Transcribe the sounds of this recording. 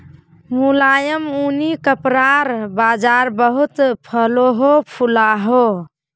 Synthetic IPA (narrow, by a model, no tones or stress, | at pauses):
mulajəmunikəpɾaɾbad͡ʒaɾbəɦut̪pʰəloɦopʰulaɦo